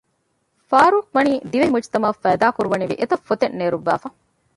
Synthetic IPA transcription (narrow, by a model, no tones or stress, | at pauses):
faːɾuːkʋɐniːd̪iʋemut͡ʃt̪ɐmɐfːæːd̪aːkuɾuʋɐniʋḭʔet̪ɐfːot̪enːeːɾuʋːæ̰ːfɐ